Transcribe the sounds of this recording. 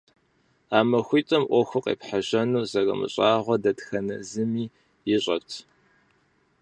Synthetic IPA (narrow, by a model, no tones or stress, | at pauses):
aːmɐxʷiːtʼɐmʔʷɔxʷʊqḛːpħaʒɐnuːzɐrɐ̰mɨ̰ɕʼaːʁʷɔdɐtxɐnɐzɨmiː | jɪɕʼɐptʰ